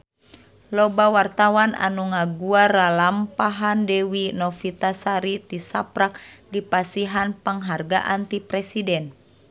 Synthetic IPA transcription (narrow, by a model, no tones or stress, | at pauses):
lɔbawart̪awanʔa̰nuŋaɡuaralampaɦandɛwinɔfit̪asaɾit̪isapɾak̚dipasiɦanpəŋɦarɡa̰ʔant̪ipɾɛsidɛn